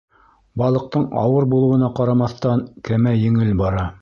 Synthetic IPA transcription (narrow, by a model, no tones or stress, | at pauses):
bɑlˠɤ̆q̚t̪ɤɴɑ̰wɤɾbulˠɤ̆wɤ̆nɑqɑɾɑmɑθt̪ɑnkæmæjɘ̆ŋɘlbɑɾɑ